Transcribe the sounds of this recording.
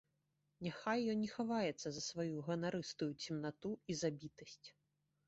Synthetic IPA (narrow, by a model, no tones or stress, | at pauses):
nʲaxajːɔnnʲɛxavajɛt̪sːɐzɐsvajuɣɐnaɾɨst̪ujut͡sʲimnat̪uizabʲit̪ɐsʲt͡sʲ